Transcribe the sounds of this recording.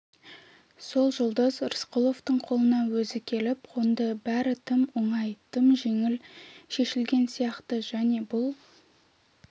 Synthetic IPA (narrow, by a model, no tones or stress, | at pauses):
so̞lˠʒʊlˠd̪əzɾəsqolˠo̞ft̪əɴqʰo̞lˠənɑwɵzɪkʲʰe̞lɪp̚qʰond̪əbæɾɪt̪ʰɪmoɴɑjt̪ʰəmʒe̞ŋɪlʃe̞ʃɪlɡʲe̞nsijɑqt̪əʒæne̞bʊlˠ